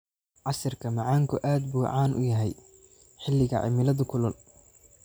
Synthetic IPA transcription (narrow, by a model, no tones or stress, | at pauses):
ʕɑsɪrkʰɐmɑʕɑːŋkʰʊʔaːd̪buːʕaːnʔʊ̰jɐɦɛj | ħɪlːɪɣɐ̰ʕɪ̰mɪlɐðʊkʰʊlɔl